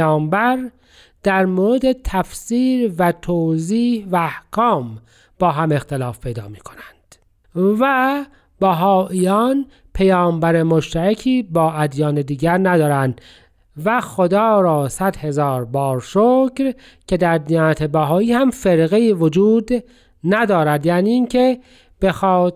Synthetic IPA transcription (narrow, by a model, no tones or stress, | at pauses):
ɑːmbæɾ | d̪̥æɾmoːɾed̪e̞t̪ʰæfsiːɾvæt̪ʰoːziːhvæːhkʰɒːm | b̥ɒːɦæme̞xt̪elɑːfpʰe̞jd̪ɒ̰ːmiːkʰo̞nænd̪̥ | væ | bæɦɒːʔijɒːn | pʰejɒːmbæɾemoʃt̪æɾæcʰiːbɒːæd̪jɒːned̪iːɟæɾnæd̪ɒːɾænd̪ | væxod̪ɒːɾɒːsæd̪he̞zɑːɾbɒːɾʃoːcɾ | cʰe̞d̪æɾd̪iːnæt̪ʰebæɦɒːiːhæmfeɾɣeivod͡ʒuːd̪ | næd̪ɒːɾæd̪jæːniːŋcʰe | b̥exɒːt̪